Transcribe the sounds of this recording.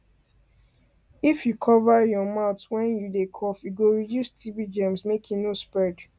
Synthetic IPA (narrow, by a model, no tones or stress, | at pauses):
ifjukʰɔvajɔmaʊtwɛ̃njudekʰɔfjuɡoɹidjustʰibid͡ʒɛ̃msmekʰĩnospɹɛd